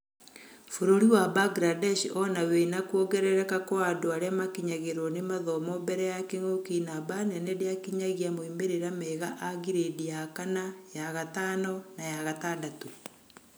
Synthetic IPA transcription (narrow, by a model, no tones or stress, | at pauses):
foɾoɾiwabaɡɾadɛʃɔnawenakuoɡɛɾɛɾɛkakoadoaɾeamakiɲaɣeɾwɔnemaðɔmɔbɛɾɛjakeŋokinabanɛnɛdeakiɲaɣiamoimeɾeɾamɛɣaʔaɣiɾedijakanajaɣataːnɔnajaɣataːndatu